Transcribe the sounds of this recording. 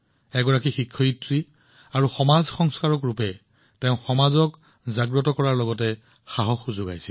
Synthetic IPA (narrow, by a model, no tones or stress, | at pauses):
ɛɡɔɹakixikʰːɔitɹi | aɹuxɔmazxɔŋskaɹɔkɹupɛ | teʊ̃xɔmazɔk | zaɡɹɔtɔkɔɹaɹlɔɡɔtɛ | xaɦɔxuzʊɡa̰jsɛl